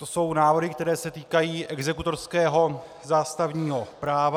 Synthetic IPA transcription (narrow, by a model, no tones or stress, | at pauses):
t̪oso̞wnaːvr̩ɦɪkt̪ɛɾɛːsɛt̪iːkajiːʔɛɡzɛkut̪o̞ɾskɛːɦo̞ | zaːst̪avɲiːɦo̞pɾaːva